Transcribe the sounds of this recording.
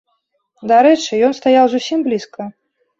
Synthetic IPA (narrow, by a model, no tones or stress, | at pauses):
d̪aɾɛt͡ʂɨjɔnst̪ajawzusʲimblʲiskɐ